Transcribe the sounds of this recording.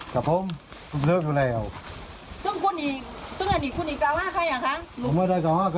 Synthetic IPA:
ka˨˩p̚o˧˥˨m | u˧˩mzɯː˧˥k̚duː˧˨lɛː˧˩˨w | sɯ˧˩˨ŋkʰu˧˥˨nːiː˧˦t̪ɯ˧˥˨ŋna˧˩niː˧˩kʰu˧˨niː˧˩klaː˧˨whaː˧˥˨kʰa˧˥˨ja˨˩kʰa˧˥ʔmaː˧˩˨da˧˨jkaː˧whaː˧˥˩k

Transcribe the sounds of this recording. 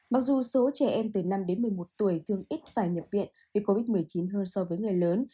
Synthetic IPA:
ma˨˩k̚zu˨˩so˨˦t͡ɕɛ˧˩ʔɛ˧mt̪ɨ˧˩na˧mɗe˨˦nmɨ˨˩əjmo˨˩t̚t̪u˧˩əjt̪ʰɨ˧əŋʔi˦˥t̚faː˧˩jɲə˨˩p̚vḭ˧˨ən | vi˨˩ko˧vi˦˥t̚mɨ˨˩əjt͡ɕi˨˦nɦəː˧nsɔ˧vəː˨˦jŋɨ˨˩əjləː˨˦n

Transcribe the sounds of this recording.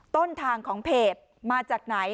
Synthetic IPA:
t̪o˥˩nt̪ʰaː˧ŋkʰɔː˩˦ŋpʰeː˨˩t̪̚ | maː˧t͡ɕaː˨˩k̚na˩˦j

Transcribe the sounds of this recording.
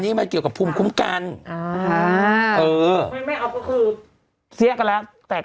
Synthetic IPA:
niː˦˥ma˧nki˨˩ka˨˩pʰuː˧mkʰu˦˥mka˧nʔaː˧˩ | ʔɤː˧ma˧nma˥˩jʔaː˨˩k̚pʰɔ˥˩kʰɯː˧ | si˦˥əka˧nlɛ˦˥t̪ɛː˨˩

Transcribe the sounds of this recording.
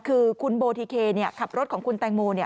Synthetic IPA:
kʰɯː˧kʰu˧nboː˧t̪ʰiː˧kʰeː˧ni˥˩əkʰa˨˩p̚ɾo˦˥t̪̚kʰːŋkʰu˧nt̪ɛː˧ŋmuː˧ni˥˩ə

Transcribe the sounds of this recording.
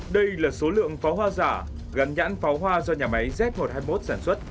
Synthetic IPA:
ɗə˧jlaː˨˩so˨˦lɨ̰˧˨əŋfaɔ˨˦wɦwaː˧zaː˧˩ | ɣa˨˦nɲa̰ː˧˥nfɔ˨˦wɦwaː˧zɔ˧ɲaː˨˩ma˨˦jzɛ˦˥p̚mo˨˩t̚haː˧jmo˦˥t̚saː˧˩nswə˦˥t̚

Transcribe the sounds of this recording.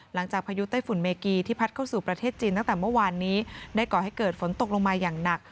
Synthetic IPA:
la˩˦ŋt͡ɕaː˨˩k̚pʰa˧ju˦˥t̪a˥˩jfu˨˩˦nmeː˧kiː˧t̪ʰiː˥˩pʰa˦˥t̪̚kʰa˥˩wsuː˨˩pɾa˧eː˥˩t̪̚t͡ɕiː˧nt̪a˥˩ŋt̪ɛː˨˩mɯ˥˩˨waː˧nːiː˦˥daː˥˩jkɔː˨˩ha˥˩jkɤː˨˩t̪̚fo˩˦nt̪o˨˩k̚loː˧ŋmaː˧jaː˨˩ŋna˨˩k̚

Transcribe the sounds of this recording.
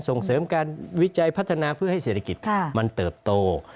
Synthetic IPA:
nso˨˩ŋsɤː˩˦mkaː˧nwi˦˥t͡ɕa˧jpʰa˦˥t̪ʰːnaː˧pʰɯ˥˩ha˥˩jseː˨˩t̪ʰa˧˥ki˨˩t̪̚ma˧nt̪ɤː˨˩p̚t̪oː˧

